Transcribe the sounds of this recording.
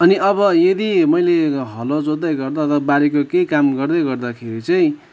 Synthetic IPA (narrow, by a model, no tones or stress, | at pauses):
ʌniʌβʌjed̪imʌjleɦʌlod͡zod̪ajɡʌrd̪at̪ʰʌbaɾekokekamɡʌrd̪ʌjɡʌrd̪akʰeɾit͡sʌĩ